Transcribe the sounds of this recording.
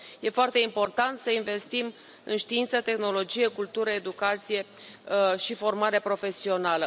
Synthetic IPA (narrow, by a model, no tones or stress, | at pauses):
je̞foart̪e̞impo̞rt̪ant̪səinve̞st̪im | ɨnʃt̪iint̪sət̪e̞xno̞lo̞d͡ʒije̞kult̪uɾəe̞d̪ukat̪sije̞ | ʃifo̞rmaɾepɾo̞fe̞sio̞nalə